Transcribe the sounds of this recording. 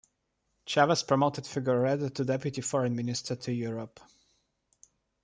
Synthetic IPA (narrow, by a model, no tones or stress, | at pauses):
t͡ʃʰavəspʰɹɔmoʊt̪ɛd̥fɪɡjəɹɹɛd̪ət̪ʰudɛpjut̪ifɔɹɛ̃nmɪnɪst̪ʰə˞tʰujuɹəp